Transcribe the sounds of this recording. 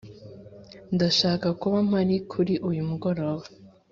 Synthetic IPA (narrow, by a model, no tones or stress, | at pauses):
ndaʃaːkakuβam̥aɾikʰuɾiʔujumuɡo̞ɾo̞ːβa